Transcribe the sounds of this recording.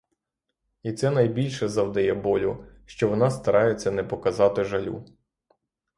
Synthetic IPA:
it̪sɛnɐjbʲilʲʃɛzɐwd̪ɐjɛbɔlʲʊʃt͡ʃɔʋɔnɑst̪ɐɾʔɑjet͡sʲːɐnɛpɔkɐzɑt̪ɪʒɐlʲṵ

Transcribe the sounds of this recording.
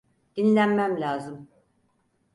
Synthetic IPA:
d̪̥inlʲænmæmlʲaːzɯm

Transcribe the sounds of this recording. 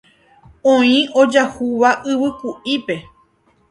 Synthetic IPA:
õĩo̞d͡ʒahuʋaʔɨβɨkuʔipe̞

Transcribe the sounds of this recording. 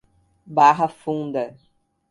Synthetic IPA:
baɦɐfũnd̪ɐ

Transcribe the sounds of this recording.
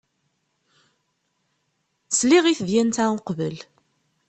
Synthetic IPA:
sliʁiθðjænt̪æqvəl

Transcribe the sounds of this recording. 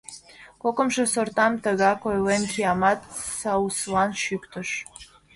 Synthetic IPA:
kokə̆mʒĕsort̪ɑmt̪ə̆ɣɑkojlemkʲiɑmɑt̪sɑwslɑnʃykt̪ə̆ʃ

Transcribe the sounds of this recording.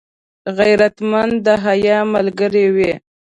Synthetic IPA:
ɣajɾat̪mand̪əɦajɑmalɡəɾewe

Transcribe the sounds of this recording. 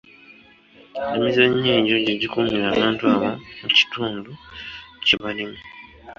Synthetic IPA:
emizaɲːiːɲɟoɟeɟikumiɾaːβaːntuaβamuci̥tuːnduciβalime

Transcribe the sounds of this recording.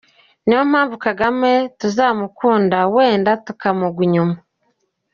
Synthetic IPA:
niwom̥haːɱvukaɡametuzaːmukuːndawe̞ːndatukamuɡuɲuma

